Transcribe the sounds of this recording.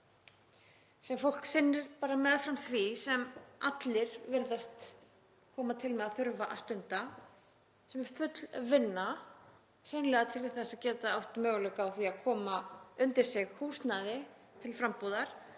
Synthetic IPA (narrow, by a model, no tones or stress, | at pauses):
sɛmfowl̥ksɪnːɪɾ̥paːɾamɛːðfɾamθvisɛmat̪lɪɾ̥vɪɾðast̪ | kʰɔːmat̪ʰɪlmɛðaθʏɾvaʔa̰st̪ʏnt̪a | sɛmɛɾ̥fʏt̪lvɪnːa | r̥eɥnlɛɣat̪ʰɪɾɪ̥θɛsːaðcɛːt̪aawht̪mœːɣlœkaːwθviakʰɔːmaʏnt̪ɪɾ̥sɪɣhuːst̪naːðɪ | t̪ʰɪlfɾampuːðaɾ̥